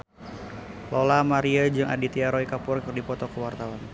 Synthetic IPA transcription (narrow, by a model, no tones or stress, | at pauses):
lolamaɾiad͡ʒɨŋʔa̰dit̪iaɾoikapʊrkɨrdipɔt̪ɔkəwart̪awan